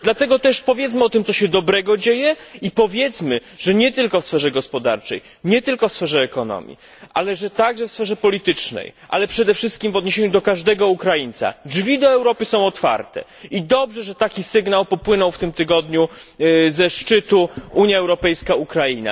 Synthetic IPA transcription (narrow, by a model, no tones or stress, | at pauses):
d̪lat̪ɛɡɔt̪ɛʂpɔvʲjɛt̪s̬mɘɔt̪ɘmt̪sɔɕɛd̪ɔbɾɛɡɔd͡ʑejɛipɔvʲjɛt̪smɘʐɛɲɛt̪ɘlkɔfsfɛʐɛɡɔspɔd̪a̰ɾt͡ʂɛ̰j | ɲɛt̪ɘlkɔfsfɛʐɛːkɔnɔ̰mʲḭ | ʔalɛʐɛt̪aɡʐɛfsfɛʐɛpɔlʲit̪ɘt͡ʂnɛ̰jʔa̰lɛpʂɛd̪ɛfʂɘst̪kʲimvɔd̪ɲeɕeɲud̪ɔkaʐd̪ɛɡɔukɾajint̪sa̰ʐvʲid̪ɔɛwɾɔpɘsɔ̃w̃ɔt̪fa̰ɾt̪ɛ̰ | id̪ɔbʐɛʐɛt̪akʲisɘɡnawpɔpwɘnɔ̃wft̪ɘmt̪ɘɡɔd̪ɲuzɛʂt͡ʂɘt̪uuɲjaɛwɾɔpɛjskaukɾaina̰